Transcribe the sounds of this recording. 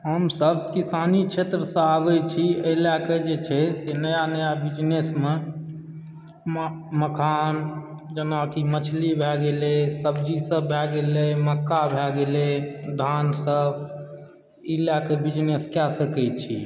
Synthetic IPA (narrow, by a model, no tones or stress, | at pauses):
ɦəmsəb̚kisanit͡ʃʰet̪ɾəsə̃abɛt͡ʃʰiəilaked͡ʒet͡ʃʰɛsenəjanəjabid͡ʒnesme | mməkʰan | d͡ʒənakimət͡ʃʰlibʱɛɡelesəbd͡ʒisəbːʱɛɡeleməkːabʱɛɡeled̪ʱansəb | ilakebid͡ʒneskasəkɛt͡ʃʰi